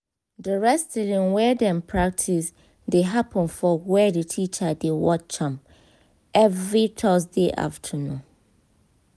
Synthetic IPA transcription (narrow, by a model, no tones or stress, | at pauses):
dəɹɛstʰidɪ̃nwɛdɛ̃mpʰɹak̚tʰis | deɦapʰə̃nfɔwɛdetʰit͡ʃadewɔt͡ʃʰãm | ɛvɹitʰɔs̬deʔa̰ftʰənũn